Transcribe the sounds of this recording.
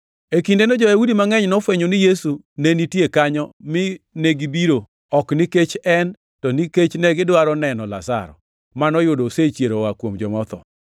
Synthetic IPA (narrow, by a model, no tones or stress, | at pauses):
ekindenɔd͡ʒɔjawudimaŋɛɲnɔfweɲonɪjesu | nenitjekaɲɔmɪneɡibiɾo | ɔkniket͡ʃɛn | tɔniket͡ʃnɛɡɪdwaɾɔnɛnɔla̰sa̰ɾɔ̰ | manɔjʊdoset͡ʃjeɾowakwomd͡ʒɔmɔt̪ɔ̰